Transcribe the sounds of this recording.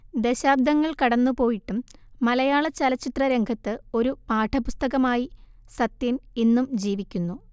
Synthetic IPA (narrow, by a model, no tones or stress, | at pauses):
d̪eɕaːb̚d̪ɐŋːɐɭkɐɽɐnːupo̞ːjiʈːumːɐlɐjaːɭɐt͡ɕɐlɐt͡ɕːit̪rɐɾe̞ŋɡʰʱɐt̪ːɨo̞ɾupaːʈʰɐpust̪ɐɣɐmaːji | sɐt̪jɐminːumd͡ʑiːʋikʲːunːu